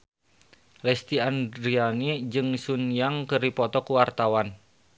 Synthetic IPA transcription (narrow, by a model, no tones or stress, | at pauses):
lɛst̪iandɾianid͡ʒɨŋsunjaŋkəripɔt̪ɔkuwart̪awan